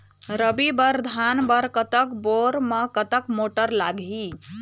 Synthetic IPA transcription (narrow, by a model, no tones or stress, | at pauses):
ɾəbibəɾd̪ʱanbəɾkət̪əkboɾməkət̪əkmoʈəɾla̰ɡɦi